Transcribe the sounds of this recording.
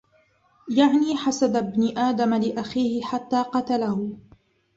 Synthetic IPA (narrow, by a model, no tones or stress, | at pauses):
jaʕniːħasad̪abnɪʔaːd̪amalɪʔaxiːhɪħat̪ːaːqɑt̪alahʊ